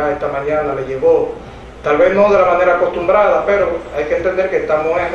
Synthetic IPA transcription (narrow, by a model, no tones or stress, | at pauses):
aest̪amãɲãnaleʝeɣo | t̪alβe̞znoðelamãne̞ɾaːko̞st̪umbɾaðapeɾoajkeent̪end̪e̞ɾkest̪amoes